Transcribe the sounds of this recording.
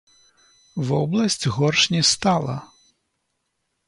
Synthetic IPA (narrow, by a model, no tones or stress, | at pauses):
vɔblˠɐsʲt͡sʲɣɔrʂnʲɛst̪alˠɐ̰